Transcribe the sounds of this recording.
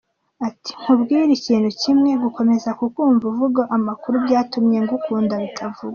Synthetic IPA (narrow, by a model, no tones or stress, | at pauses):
ati̥ŋ̥hubɡiːɾiciːn̥hucimŋe̞ɡuko̞me̞zakukuːɱvuvuɡaʔamakuɾubɟaːtumɲe̞ŋɡukuːndaβitʰavuɡa